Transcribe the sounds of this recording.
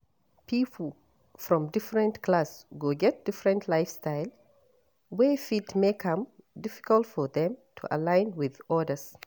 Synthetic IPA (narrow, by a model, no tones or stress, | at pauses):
pʰipʰl̩ˠ | fɹɔ̃mdɪfɹə̃ntkʰlasɡoɡɛt̚d̥ɪfɹə̃ntʰlaɪfstaɪlˠ | wɛfitmekʰʌ̃mdɪfɪ̥kəlˠtfɔðɛ̃mtʰṵʔə̰lãɪ̃nwɪðɔdəs